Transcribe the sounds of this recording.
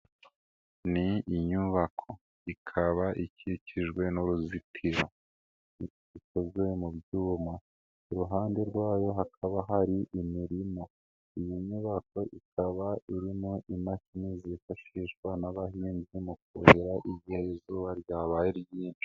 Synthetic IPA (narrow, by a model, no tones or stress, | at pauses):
niːɲuβakʰo̞ | ikʰaβaʔiciciʒwe̞noɾuzitʰiɾa | ikozemubjuːma | uɾuɦaːnde̞ɾɡwaːjo̞ɦakʰaβaɦaɾiʔimiɾimo̞ | ijiɲuβako̞ʔikʰaβaiɾimoʔimakimiːzifaʃiːʃɡwanaβaɦiːnzimukoheɾaʔiɟiheizuːβaɾjaːβajiɾjiːnt͡ʃi̥